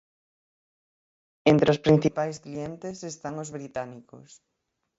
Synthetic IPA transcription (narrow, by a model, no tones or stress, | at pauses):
ent̪ɾeospɾin̟θipajsklient̪esest̪aŋozβɾit̪aniko̰s